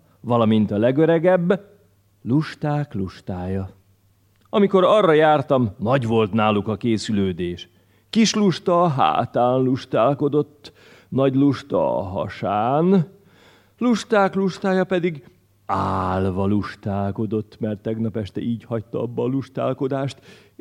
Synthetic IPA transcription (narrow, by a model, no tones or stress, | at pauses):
vɒlɒmint̪ɒlɛɡøɾɛɡɛbː | luʃt̪aːkluʃt̪aːjɒ | ɒmiko̞ɾɒrːɒjaːrt̪ɒmnɒɟʋo̞lt̪naːlukɒkeːsyløːd̪eːʃ | kiʃluʃt̪ɒːɦa̰ːt̪aːnluʃt̪aːlko̞d̪o̞t̪ː | nɒɟluʃt̪ɒ̰ːɦɒ̰ʃaːn | luʃt̪aːkluʃt̪aːjɒpɛd̪iɡ | aːlvɒluʃt̪aːlko̞d̪o̞t̪ːmɛrt̪ːɛɡnɒpɛʃt̪ɛ̰ʔiːɟhɒc̚t̪ɒɒbːɒːluʃt̪a̰ːlko̞d̪aːʃt̪